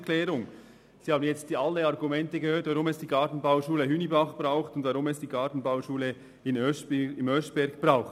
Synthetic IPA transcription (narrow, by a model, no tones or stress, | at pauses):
kʰlɛːɾʊŋ | sihɑːbən̩jɛt͡stːɑlːəɑɾɡumɛntəɡəhøːtv̥ɑʁʊmɛsd̥iːɡɑtn̩baʊʃuːləɦyːnibɑχb̥ʁaʊχtʊndvɑʁʊmɛsd̥iːɡɑːtn̩baʊʃuːlə | ɪnœsɪmœsb̥ɛɾɡb̥raʊxt